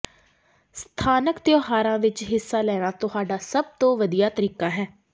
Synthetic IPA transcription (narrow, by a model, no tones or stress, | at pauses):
st̪ʰaːnəkt̪ɪjɔːɦaːɾãːʋɪt͡ʃɦɪsːaːlɛːɽ̃aːt̪ʊhaːɖaːsəb̚t̪õːʋəd̪ijaːt̪əɾiːkaːɦɛː